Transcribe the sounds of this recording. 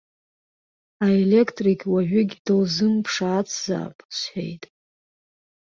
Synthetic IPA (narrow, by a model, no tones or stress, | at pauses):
aele̞kʰtʼrikʲʰʼwaʕʷʊɡʲdɨlzɨmpʰʂaːt͡sʰz̥a̰ːpʼsħʷe̞̰jtʼ